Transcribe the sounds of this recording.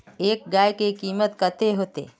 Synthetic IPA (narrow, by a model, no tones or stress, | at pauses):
eːk̚ɡajkekiːmət̪kət̪eɦot̪ḛ